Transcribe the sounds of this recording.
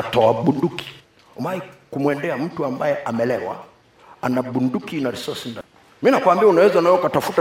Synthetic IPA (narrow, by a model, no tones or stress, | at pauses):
tɔaɓunduki̥ | umaikumwɛndɛam̩tuambajɛʔamɛlɛwa̰ | anaɓundukinaɾisɔsinda | miinakwambiaunawɛzanajɔkatafuta